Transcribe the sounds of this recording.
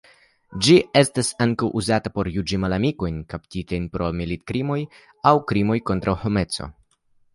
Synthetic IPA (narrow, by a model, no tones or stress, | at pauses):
d͡ʒie̞stasaŋkawʔuzatapo̞ɾjud͡ʒimalamiko̞jnkaptitajnpɾo̞milit̚kɾimo̞j | awkɾimo̞jko̞ntɾawho̞me̞t͡so̞̰